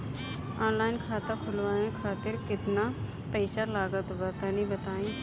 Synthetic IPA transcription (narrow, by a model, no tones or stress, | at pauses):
ɔːnlaːɪnkʰaːt̪akʰʊlʋaːẽkʰaːt̪ɪɾkɪt̪na | pɛːʃalaːɡət̪bɐt̪anibɐt̪aːĩ